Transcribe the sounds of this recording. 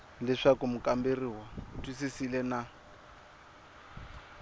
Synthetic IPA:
lɛʂakum̩kʼamberiwatʼwisisilɛna

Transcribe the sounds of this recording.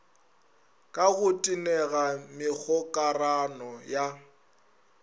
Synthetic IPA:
kʼaɣʊtʼinɛɣamɪk͡xʰɔkʼaranɔja

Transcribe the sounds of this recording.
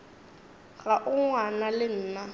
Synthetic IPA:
ɣaʔʊŋwanalɪn̩ːna

